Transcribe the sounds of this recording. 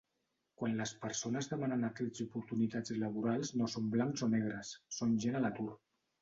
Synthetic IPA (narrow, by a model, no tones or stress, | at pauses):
kwanləspəɾsonəzðəmanənəkɛzupuɾt̪unit̪ad͡zləβuɾalˠznosomblaŋkzonɛɣ̞ɾəsːonʒenələt̪uɾ